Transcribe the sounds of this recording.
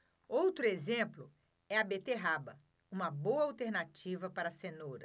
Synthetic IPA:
owt̪ɾʊezẽmplʊ | ɛɐbet̪eɦabɐ | ũmɐbowɐawt̪eɾnat͡ʃivɐpaɾɐsẽnoɾɐ

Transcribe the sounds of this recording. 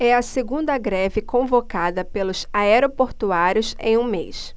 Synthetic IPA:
ɛɐseɡũnd̪ɐɡɾɛvɪkõvokad̪ɐpelʊsaɛɾopoɾt̪uaɾjʊsḛ̃j̃ũmḛjs

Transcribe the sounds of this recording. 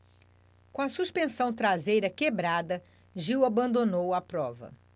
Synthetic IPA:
kõɐsuʃpẽsɐ̃w̃t̪ɾazejɾɐkebɾad̪ɐ | ʒiwabɐ̃nd̪onowɐpɾɔvɐ̰

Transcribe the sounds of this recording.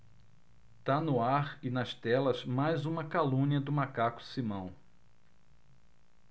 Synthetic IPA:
t̪anʊaɾɪnɐst̪ɛlɐzmajzũmɐkalũniɐd̪ʊmakakʊ̥simɐ̃w̃

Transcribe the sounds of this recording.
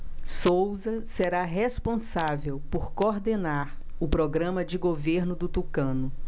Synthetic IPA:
sowzɐseɾaɦespõsavewpoɾkoɾd̪enaɾ | ʊpɾoɡɾɐ̃mɐd͡ʒɪɡoveɾnʊd̪ʊt̪ukɐ̃nʊ

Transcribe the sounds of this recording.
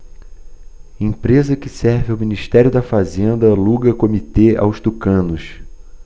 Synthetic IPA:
ẽpɾezɐkɪsɛɾvɪawminiʃt̪ɛɾjʊd̪ɐfazẽnd̪ɐluɡɐkomit̪ea̰wʃt̪ukɐ̃nʊs

